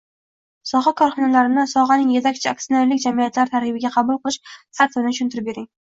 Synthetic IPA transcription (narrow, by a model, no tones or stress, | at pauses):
sɒʁɑkʰɒɾχɒnalaɾɪnɪsɒʁɑnɪŋje̞t̪ʰakʲt͡ʃʰɪa̰k̚t̪ioneɾlɪkʲd͡ʒamijat̪ʰlaɾt̪ʰaɾhɪbɪɡʲaqʰɑbʊlˠqʰɨlˠɪʃsat̪ɪbɪnɪʃʰʊnt̪ʰɪɾɪp̚be̞ɾɪŋ